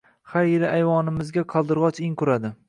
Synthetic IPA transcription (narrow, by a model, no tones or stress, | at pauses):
χaɾeɾɪʔajvɒnɪmɪzɡʲaqʰɒlˠd̪ɪɾʁɒt͡ʃɪŋkʰʊɾad̪ɪ